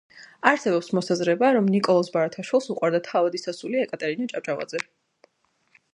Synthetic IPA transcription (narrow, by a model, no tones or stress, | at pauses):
aɾsɛbɔpsmɔsazɾɛbaɾɔmnikʼɔlˠɔsbaɾat̪ʰaʃwilˠsuqʼwaɾd̪at̪ʰavad̪isasuliɛkʼat̪ʼɛɾinat͡ʃʼapt͡ʃʼava̰d̪zɛ